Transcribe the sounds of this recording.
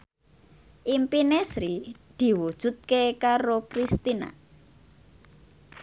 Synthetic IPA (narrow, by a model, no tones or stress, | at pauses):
ʔimpinesɾid̪̥i̤wud̥ʒ̥ṳt̪̚kekaɾokɾist̪ina̰